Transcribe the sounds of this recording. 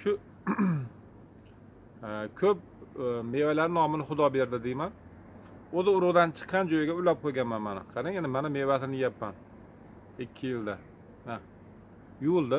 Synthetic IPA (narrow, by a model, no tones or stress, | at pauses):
ʃʊ | kʲʰɵp̚me̞vajlaɾɪnɒmɪnɪχʊd̪ɒbe̞ɾd̪ɪd̪ejman | ozɪʊɾʊʁd̪ant͡ʃʰɨ̥qʰːɑnd͡ʒojɪɡʲaʊlap̚qʰojɡʲanmanmanɪ̰qʰɑɾajanɪmanamevat̪ʰɪnɪjapːan | ɪkʲʰːɪjɪld̪a | a | jʊʊlˠd̪ɪ